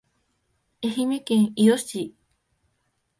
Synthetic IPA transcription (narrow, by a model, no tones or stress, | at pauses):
ehimekẽŋiosi